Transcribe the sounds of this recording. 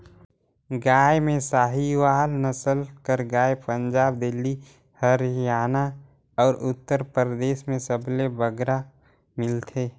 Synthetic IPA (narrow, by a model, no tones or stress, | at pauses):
ɡaːemẽsaːɦiwaːlnəsəlkəɾɡaːepə̃nd͡ʒaːb̚d̪ɪlːi | həɾjaːna | ɔːɾʔʊt̪ːəɾpəɾd̪eːʃmẽsəblebəɡɾa | mɪlt̪ʰeː